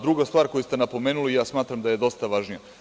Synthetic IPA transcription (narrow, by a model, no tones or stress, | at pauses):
d̪ɾuɡast̪ʋaːɾko̞just̪enapo̞me̞ːnulijaːsmaːt̪ɾamd̪aje̞d̪o̞st̪aʋaʒnija